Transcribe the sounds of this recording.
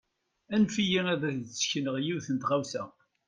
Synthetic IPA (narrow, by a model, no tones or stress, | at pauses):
ænfijiæðæθzə̥çənəʁjiwθənt̪ʁawsæ